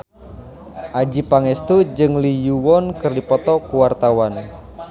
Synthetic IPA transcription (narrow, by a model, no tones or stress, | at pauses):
ʔad͡ʒipaŋɛst̪ud͡ʒɨŋlijuwɔnkɨrdipɔt̪ɔkuwart̪awan